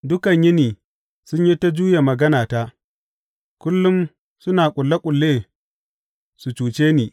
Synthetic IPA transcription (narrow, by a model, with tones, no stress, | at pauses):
dʊ˦kɐ˨ɲjɪ˦niː˨ | sʊ˦ɲji˦ta˦d͡ʒuː˦ja˨mɐ˨ɡɐ˦naː˨ta˦ | kʷʊ˦lːʊ˦m | sʊ˦naː˨kʷʼʊ˨lːa˦kʷʼʊ˨lːeː˦ | su˨t͡ʃuː˨t͡ʃeː˦niː˨